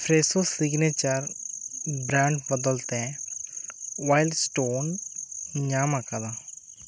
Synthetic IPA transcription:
pʰɾesosiɡnet͡ʃəɾ | bɾãːɳɖbəd̪əlt̪ɛ̃ | ʋaːɪlɖsʈoːn | ɲaːmakad̪a

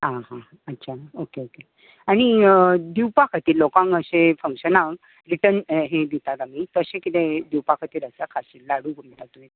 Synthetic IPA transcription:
ɦãɦã | ətːɕʰaokeoke | aɽ̃id̪iwpakʰat̪iːlːokãŋəɕefə̃ŋkɕənãŋ | ɾiʈənɦed̪it̪aɡamit̪əɕẽkit̪ẽd̪iwpakʰat̪iːɾəsakʰaɕilaɽubumʈat̪uet̪

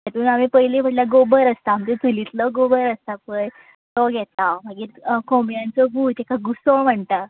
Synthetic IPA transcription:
t̪at̪uːnamipəɦjleb̤ʱəʈlaɡobəɾəst̪aːmt̪et͡sulit̪lɔɡobəɾəst̪apəj | t̪ɔɡʱɛt̪am̤əɡiːɾkomjãnt͡sɔbʱuːt̪ekaɡusoɭm̤əɳt̪a

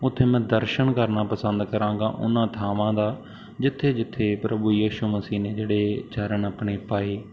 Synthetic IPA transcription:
ʊt̪ʰːeːmɛ̃ːd̪əɾʃəɳkəɾnaːpəsənd̪kəɾãːŋɡa̰ːʔʊ̰nãːt̪ʰaːʋãːd̪aː | d͡ʒɪt̪ʰːeːd͡ʒɪt̪ʰːeːpɾəbuːjiːʃuːməsiːneːd͡ʒeːɽeːt͡ʃʰaːɾənapɳeːpaːeː

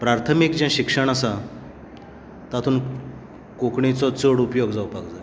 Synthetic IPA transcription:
pɾaɾt̪ʰəmikd͡ʑãɕikʂəɳ̃asa | t̪at̪ʰuːn | kokɳit͡sɔt͡səɽupjoɡd͡zawpakd͡zae

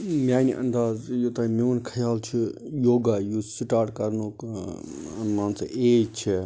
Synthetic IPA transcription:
mjaːjniʔɐnd̪aːzjot̪ãmiʋnkʰɐjaːlt͡ʃʰijoːɡajusiʈaːɾʈkɐɾnu | ɐnmãːnsɐʔeːt͡ʃʰi

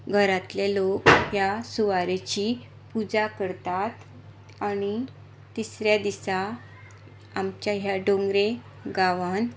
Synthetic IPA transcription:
ɡʱəɾat̪lelokjasuʋaɾet͡ɕi | pud͡zakəɾt̪at̪ | añi | t̪isɾjad̪isa | amt͡ɕaɦjaɖõŋɡɾe | ɡaʋan

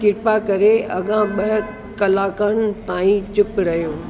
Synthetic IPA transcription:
kɪɾpakɐɾeɐɠãɓɐɦ | kɐlaːkəñɪ̆t̪ãːĩt͡ɕɪpɾɐɦjoː

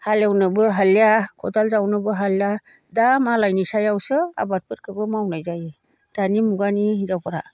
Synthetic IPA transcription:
haljawnɯbɯɦaljakʰɔdalzawnɯbɯɦalja | damalajnisajawsɯa̰bat̚pʰɯt̚kʰɯbɯmawnajzajɯ | d̥animuɡanizawpʰaɾa̰

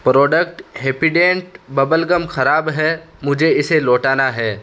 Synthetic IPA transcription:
pɾɔːɖəkʈɦeːpiɖẽːɳʈbɐbəlɡəmxʰɐɾaːbɦɛː | mʊd͡ʒʱeɪseloːʈaːnaɦɛː

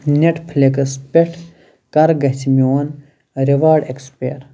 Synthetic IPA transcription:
neʈʰpʰlekɐspeʈʰ | kɐɾɡɐt͡simioːn | ɾiʋaːɖekspeːɾ

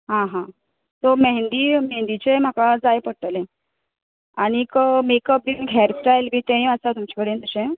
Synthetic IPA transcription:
ɦãɦã | t̪oməɦnd̪iːmeɦnd̪it͡ɕem̤akad͡zajpəɽʈ̪əlẽ | aɽ̃ikəmekəp̚binɡʱɛɾsʈajlbʱiːt̪ẽĩəsat̪umt͡ɕakəɽent̪əɕẽ

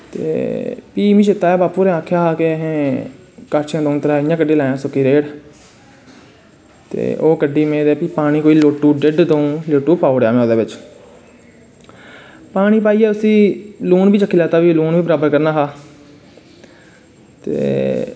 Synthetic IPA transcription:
t̪ḛːpiːmĩːʃɪt̪ːaːɛːbaːpuːɾɛ̃ːaːkʰːjaːɦaːkeɦẽː | kəɾt͡ʃãːd̪õːnt̪əɾaːɪjãːkəɖeːlaːjãːsʊkːiːɾeːɽ | t̪ḛːʔo̰ːkəɖiːmẽːd̪eːpiːpaːɽ̃iːkoːiːloːʈːuːɖɪɖd̪õːloːʈːuːpaːoːɽeja̰ːmɛ̃ːoːd̪eːʋɪt͡ʃ | paːɽ̃iːpaːiːɛːʊsĩːluːnbiːt͡ʃəkːiːlɛːt̪aːʋiːluːnʋiːbəɾaːbəɾkəɾnaːɦaː | t̪ḛː

